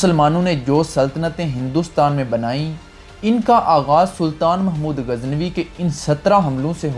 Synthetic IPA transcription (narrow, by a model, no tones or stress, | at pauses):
səlmaːnõːned͡ʒoːsəlt̪ənət̪ẽɦɪ̃nd̪uːst̪aːnmẽbənaːĩː | ɪnkaʔaːɣaːzsʊlt̪aːnməɦmuːd̪ɣəznʋikeɪnsɐt̪ɾaːɦɐmlõseɦ